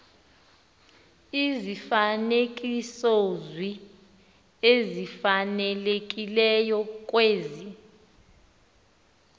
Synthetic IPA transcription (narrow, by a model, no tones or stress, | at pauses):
izifanek̬ʼisozwi | ezifanɛlek̬ʼilɛjɔk̬ʼweːzi